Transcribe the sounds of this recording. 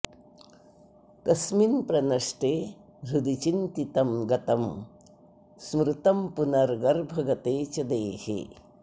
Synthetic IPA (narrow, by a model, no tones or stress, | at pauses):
t̪ɐsminpɾɐnɐʂʈeː | ɾud̪it͡ʃint̪it̪ɐmɡɐt̪ɐm | smɾɨt̪ɐmpunɐɾɡɐɾbʱɐɡɐt̪eːt͡ʃɐd̪eːhḛː